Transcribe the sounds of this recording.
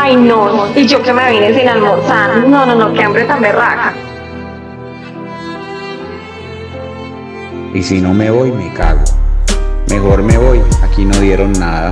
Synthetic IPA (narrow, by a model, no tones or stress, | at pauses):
ajnoid͡ʒokemeβinesinalmoɾsannonõnokeambɾet̪amberaka | isino̞me̞βo̞jmeka̰ɣo | mexo̞ɾme̞βo̞jakino̞ðje̞ɾo̞nːaða